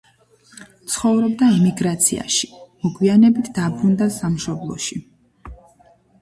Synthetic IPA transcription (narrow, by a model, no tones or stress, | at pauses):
t̪sʰχɔvɾɔbd̪aimiɡɾat̪sʰḭa̰ʃi̥mɔɡwianɛbit̪ʰd̪̥abɾund̪asamʃɔblˠɔ̰ʃi